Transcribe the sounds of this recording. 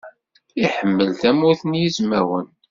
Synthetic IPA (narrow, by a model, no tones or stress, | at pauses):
iħəmːəlt̪æmuθənjizmæwən